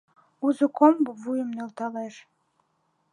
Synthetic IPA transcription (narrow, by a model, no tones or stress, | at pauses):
uzə̆kombovujəmnølt̪ɑleʃ